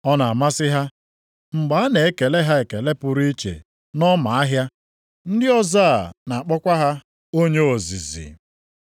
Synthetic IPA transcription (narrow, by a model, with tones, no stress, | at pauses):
ɔ˦na˨a˨ma˦sɪ˦ɦa˦ | ŋ͡m̩˨ɡ͡ba˨˦a˦ne˨e˦ke˨le˦ɦa˦e˨ke˨le˦pʊ˨ɾi˦t͡ʃḛ˨ | nɔ˦ma˨a˦ɦja˦ | n̩˦dɪ˦ɔ˦zaː˦˨na˨k͡pɔ˦kʷa˦ɦa˦ | o˦ɲe˦o˨zi˨zḭ˨